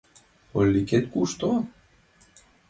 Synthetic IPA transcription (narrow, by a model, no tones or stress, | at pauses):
olʲːiket̪̚kuʃt̪o